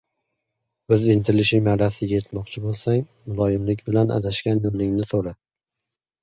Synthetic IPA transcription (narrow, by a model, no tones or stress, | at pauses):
ɵzɪnt̪ʰɪlɪʃɪŋmaɾasɪɡʲajet̪mɒqt͡ʃʰɪbolˠsaŋmʊlˠɒjɪmlɪkʲbɪlanʔa̰d̪aʃkʲanjolɪŋnɪsoɾa